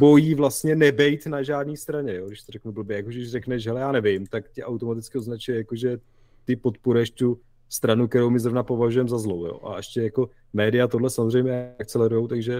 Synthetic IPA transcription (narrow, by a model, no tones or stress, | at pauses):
bo̞jiːvlast̪ɲɛnɛbɛjt̪naʒaːdniːst̪ɾaɲɛjo̞ːɡdɪʃt̪oɾrɛknubl̩bjɛjakoʒɛdɪʃrɛknɛʃ̬ɦɛlɛjaːnɛvɪmt̪akcɪʔawt̪o̞mat̪ɪt͡skɪo̞znat͡ʃujɛjakoʒɛ | t̪ɪpo̞t̪puɾɛʃt̪u | st̪ɾanuk̚t̪ɛɾowmɪzɾo̞vnapo̞vaʒujɛmzazlowjo̰ːʔa̰ʔɛʃcɛjako̞ | mɛːdɪjat̪odlɛsamozrɛjmɲɛak̚t͡sɛlɛɾujowt̪aɡʒɛ